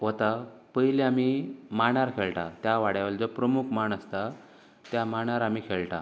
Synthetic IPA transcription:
ɦot̪apəjleamimaɳ̃aɾkʰeɭʈat̪jaʋaɽjaʋeld͡zopɾəmukʰmaɳəst̪a | t̪jamaɳ̃aɾam̤iːkʰeɭʈa̰

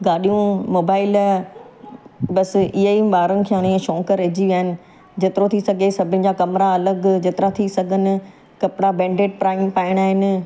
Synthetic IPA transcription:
ɡaːɗijũmoːbaːɪl | bɐsɪɦiɓaːɾənɪ̆kʰaːɽ̃ĩẽʃõːkəɾeːd͡ʑiʋiaːɦɪnɪ̆ | d͡ʑet̪ɪɾot̪ʰisɐɡʱesɐbʱɪ̃nɪ̆d͡ʑakɐmɾaɐləɡd͡ʑeːt̪ɪɾat̪ʰisɐɡʱənɪ̆ | kɐpɽabɛ̃ːɳɖeːʈ̚pɾaːɪmpaːɪɽ̃aːɦɪnɪ̆

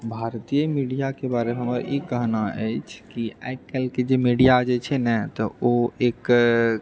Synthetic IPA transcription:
bʱaɾt̪ijəmiɖijakebaɾemeɦəməɾikəɦnaʔə̰jt͡ʃʰkia̰jkkːɛlked͡ʒemiɖijad͡ʒet͡ʃʰɛnɛt̪ɔoek

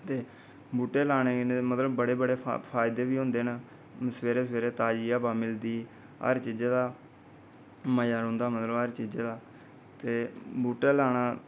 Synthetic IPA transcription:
t̪eː | buːʈeːlaːɽ̃eːnmət̪ləbːəɽeːbəɽḛːpʰaːjɪd̪eːʋiːɦʊ̃nd̪eːn | səʋeːɾeːsəʋeːɾeːt̪aːd͡ʒiːaːpaːmɪld̪iː | ɦə̰ɾt͡ʃiːd͡ʒeːd̪aː | məjaːɾõːnd̪aːmət̪ləbəɾt͡ʃiːd͡ʒeːd̪aː | t̪eːbuːʈeːlaːɽaː

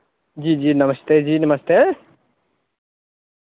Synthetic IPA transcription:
d͡ʒiːd͡ʒiːnɐməst̪ed͡ʒiːnɐməst̪eː

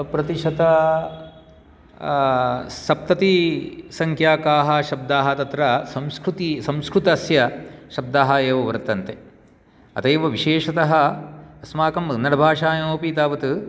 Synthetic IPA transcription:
pɾɐt̪iʃɐt̪ɐ | sɐp̚t̪ɐt̪isɐŋkʰjaːkaːɦɐʃɐb̚d̪aːɦɐ̆t̪ɐt̪ɾɐsɐmskɾut̪isɐ̃mskɾut̪ɐsjɐʃɐb̚d̪aːɦɐeːʋɐʋɐɾt̪ːɐnt̪e | ɐ̰t̪ɐjʋɐʋiʃeːʂɐt̪ɐɦɐɐsmaːkɐmɐnːɐɽɐbʱaːʂaːjɐmoːpiːt̪aːʋɐt̪ɨ

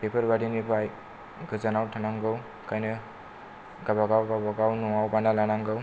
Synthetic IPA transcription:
pepʰəɾbaɾinibʰaj | ɡɯzanawtʰanaŋɡɯw | kʰajnɯ | ɡabaɡawɡabaɡawnɔwawbanalanaŋɡɯw

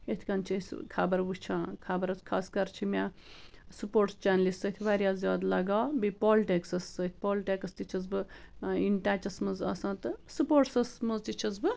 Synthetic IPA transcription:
et̪ʰkɐnt͡ʃʰiskʰabɐɾbɨt͡ʃʰãːkʰaːbɐɾɐskʰaːskɐɾt͡ʃʰimʲa | supoːɾʈst͡ʃaːnlist̪sət̪ʲʰʋaːɾʲjaːzjaːd̪lɐɡaːbipoːlʈeksɐsːət̪ʰʲpoːlʈekɐst̪it͡ʃʰɐzbɨinʈaːt͡ʃɐsmɐzɐ̰sãːt̪ɨsupoːʈsɐsmɐzt̪it͡ʃʰɐzbɨ

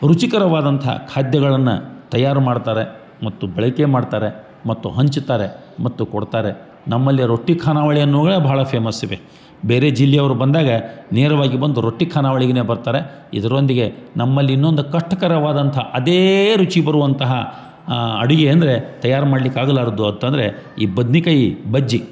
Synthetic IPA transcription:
ɾut͡ʃikɐɾɐʋaːd̪ɐnt̪ʰɐ̰kʰaːd̪jɐɡɐɭɐnːṵt̪ɐjaːɾumaːɽt̪aːɾe | mɐt̪ːubɛɭɐke̞maːɖt̪aːɾe̞ | mɐt̪ːuɦɐɲt͡ʃt̪aːɾe̞ | mɐt̪ːukoɽt̪aːɾe | nɐmːɐlːiɾo̞ʈːikʰaːnaːʋɐɭijɐnːuːɡɐɭebʱaːɭɐpʰeːmɐsːiʋḛ | beːɾe̞d͡ʒilːɛɐʋɐɾubɐnd̪aːɡɐneːɾɐʋaːɡibɐnd̪uɾo̞ʈːikʰaːnaːʋɐɭiɡɐne̞ːbɐɾt̪aːɾe̞ | ḭd̪ɐɾo̞nd̪iɡe̞nɐmːɐlːiːnːo̞nd̪ukɐʂʈːɐkɐɾɐʋaːd̪ɐnt̪ʰɐʔɐd̪eːɾut͡ʃibɐɾuʋɐnt̪ɐɦɐ | ɐɽuɡeɐnd̪ɐɾe̞t̪ɐjːaːɾmaːɽlikːaːɡɐlaːɾɐd̪uɐnt̪ɐnd̪ɐɾe̞ | ḭːbɐd̪nikɐjibɐd͡ʒːi

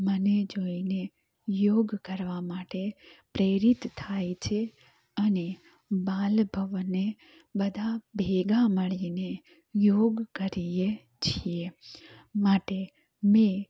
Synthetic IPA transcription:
məned͡ʒoine | joːɡkəɾʋamaːʈepɾeːɾɪt̪ʰːaːjt͡ʃʰe | əne | baːlbʱəʋne | bəd̪ʱabʱeɡaməɭine | joːɡkəɾije | t͡ʃʰie | maːʈe | mẽ

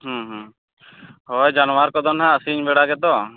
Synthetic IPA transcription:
ɦɔ̃ɦɔ̃ | hɔjd͡ʒanwaɾkɔd̪ɔnɦaəsiɲbɛɽaɡɛt̪ɔ

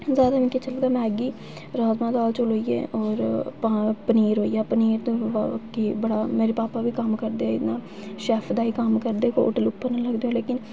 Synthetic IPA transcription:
zjaːd̪aːmɪ̃ket͡ʃəld̪aːmɛ̃ːɡiː | ɾaːzmãːd̪aːlt͡ʃolɦoːiːḛːʔɔːɾpapəniːɾɦoːijaːpəniːɾd̪oʋakiːbəɽaːmeːɾepaːpaːʋiːkəmkəɾd̪eɛːɪ̰nãː | ʃɛːpʰd̪aːiːkəmkəɾd̪eːko̰ːʈəlʊpːəɾnələɡd̪eːõːleːkɪn

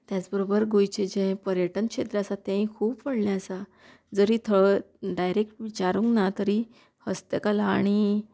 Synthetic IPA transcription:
t̪jat͡sbəɾobəɾɡojt͡ɕed͡ʑɛ̃pəɾjəʈənɕʰet̪ɾəəsat̪jãĩkʰuːppəɽlaəsa | d͡zəɾiːt̪ʰəɭə | ɖajɾek̚ʈʋit͡ɕaɾũŋknat̪əɾiː | həst̪əkalaːɽ̃i

